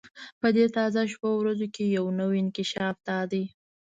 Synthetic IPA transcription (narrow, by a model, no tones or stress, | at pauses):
pəd̪et̪ɑzaʃpawɾazokejawnəwɪnkɪʃɑfd̪ɑd̪əj